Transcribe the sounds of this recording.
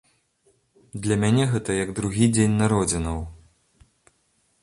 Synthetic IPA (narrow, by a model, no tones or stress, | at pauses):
d̪lʲɐmʲanʲɛɣɛt̪ɐjɐɡd̪ɾuɣʲid͡zʲenʲnaɾɔd͡zʲinɐw